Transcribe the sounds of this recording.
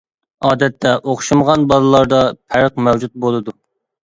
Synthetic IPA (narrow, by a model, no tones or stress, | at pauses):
ɑːd̪ɛt̪ʰːɛʔoχʃumʁɑnbɑlˠɨlˠɑɾd̪ɑpʰæɾəq̚mɛwd͡ʒut̪̚bolˠɨd̪u